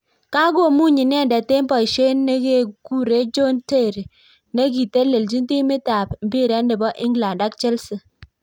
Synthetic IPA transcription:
ka˦ɡo˦˨mu˦˨ɲi˨n˦ɛ˦˨nda˨te˦mpɔ˨ʃe˦nːe˦ɡe˦˨ɡu˦ɾe˨˦d͡ʒo˦nte˦˨ɾ | ne˦ɡi˨te˦le˨ld͡ʒi˦n˦ti˦mi˦ta˨pm̩˨bi˦˨ɾɛ˨˦ndɪ˨bɔ˦ʔi˦ŋɡla˨nda˦k̚t͡ʃe˦lsə˨

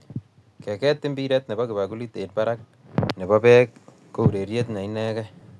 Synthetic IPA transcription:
kɛ˨kɛ˦t̪ːi˦mbiɾɛt̪ne˨baki˨baku˦li˦te˨t̚baɾak̚ | ne˨bapɛk̚ː | o˦u˨ɾe˨ɾjet̪̬na˨inɛ˦kɛ

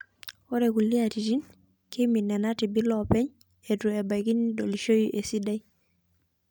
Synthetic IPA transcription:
ɔ˦ɾe˨ku˨li˦a˨ti˨ti˦n | kɪ˦mi˨nːɛ˨na˦tɪ˨bi˦lɔpɛ˦ɲ | e˨tu˨ɛ˨ba˨ki˦ndo˨li˨ʃo˦jiʔe˨si˦da˦j

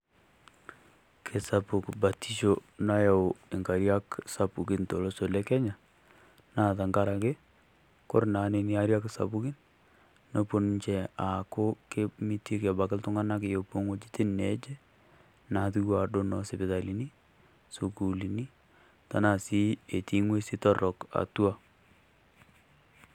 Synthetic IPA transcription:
kʰe˨sa˨pʊ˨kba˨ti˦ʃona˦ja˨ɪ˨ŋka˨ɾja˦ksa˨pu˨kɪ˦nto˨lo˦so˨lɛ˦kɛ˦ɲa˨ | na˨ta˨ŋɡa˦ɾa˨ke˦ | kɔ˦rna˨ne˨ni˦a˦ɾja˦ksa̰˨pu˦ki˦nː | o˦po˨nɲt͡ʃɛ˨a˨kʊ˦ke˦mi˦ti˦kɛ˨ba˨kɪ˦ltʊ˦ŋa˦na˦ke˨jo˨po˦ŋwo˦d͡ʒi̥˦ti˦nɛ˨˦d͡ʒe˦ | na˨tu˦ɡa˨do˦nɔ˦sɪ˨bɪ˨ða˨li˨ni˦ | su˨ku˨li˨ni˦ | ta˨na˨si˦e˨ti˦ŋwe˦si˦tɔ˦rɔ˨ka̰˨tu˦a˦

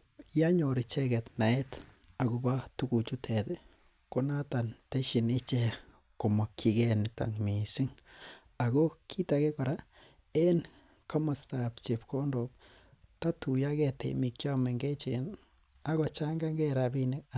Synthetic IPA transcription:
ja˦ɲo˨ɾi˨t͡ʃɛ˦ɡɛ˨t̪na˨e˦t̪a˨ɡo˨ba˦t̪u˦ɡu˨t͡ʃu˦t̪ʰɛ˨d̪e˦ | ko˦na˦t̪a˨nt̪e˦ʃi˨ni˦t͡ʃe˦ | ko˨ma˨kʰi˨ɡe˦ni˨ta̰˨ŋmi˨si˦ŋ | a˨ɡo˦kʰi˦t̪a˨ɡe˦ko˨ɾa˦ | e˦n | ka˦ma˨st̪a˨pt͡ʃe˨pko˦ndo˨p̚ | t̪a˦t̪u˨ja˦ɡɛ˨t̪ḛ˨mi˨kt͡ʃja˦me˨ŋɡe˦t͡ʃe˨n | a˦ɡo˨˧t͡ʃa˦ŋɡa˦ŋɡe˦ɾa˨bi˦ni˦k

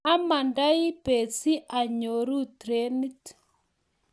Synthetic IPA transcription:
a˦ma˨nda˦i˦pe˨t͡si˦ʔa˨ɲo˨ɾu˦tɾe˦ni˦t

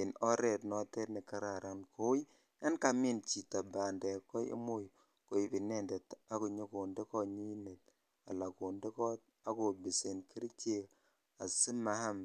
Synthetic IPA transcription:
i˨no˦ɾe˨tno˨˦te˦tni˨ka˦ɾa˨ɾa˨nkʰo˦j | ja˦nka˨mi˦nt͡ʃi˨ta˨ba˨nde˨kɔ˦ḭ˦mo˦j | ko˨i˨bi˨ne˦nde˨ta˦ku˨ɲo˦ku˨nde˦ko˦ɲi˦ne˨t | a̰˨la˨ku˨nde˦ko˦t̚ | a˦ko˨bi˨si˨nki˦ɾt͡ʃe˦ | a˨si˦ma˨ha˦m

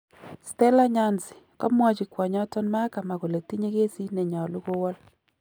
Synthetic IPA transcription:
stɛ˦la˦ɲa˦nsɪ̥˨kɔ̰˦mwɔ˦t͡ʃi˨kwɔ˨ɲɔ˦tɔ˦nma˦ka˨ma˨ko˨le˨ti˦ɲe˦ke˦si˦ne˨ɲɔ˨lu˦ko˦wɔ˦l

